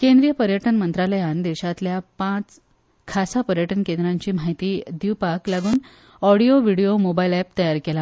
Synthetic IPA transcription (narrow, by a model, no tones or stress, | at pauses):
kẽnd̪ɾijəpəɾjəʈənmənt̪ɾaləjãnd̪eʋɕat̪ljapãt͡s | kʰasapəɾjəʈənkẽnd̪ɾaɲt͡ɕiːm̤aɦit̪iːd̪iʋpaklaɡuːn | ɔɽijoʋiɽijomobailɛpt̪əjaɾkela